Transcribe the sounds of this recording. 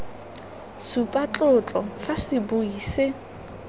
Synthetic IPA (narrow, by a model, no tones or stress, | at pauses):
supʼat͡ɬʼʊt͡ɬʼɔfasɪbʊiːsɪ